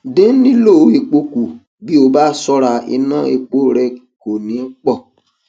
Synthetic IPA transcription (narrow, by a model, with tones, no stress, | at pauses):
dẽ˦nĩ˦lo˦˨˦e˨k͡po˦ku˨ | ɡ͡bi˦o˨ba˦˨sɔ˦ɾa˨ḭ˨nɔ̃˦ḛ˨k͡po˦˨ɾɛ˦˨ko˨nĩ˨˦k͡pɔ˦˨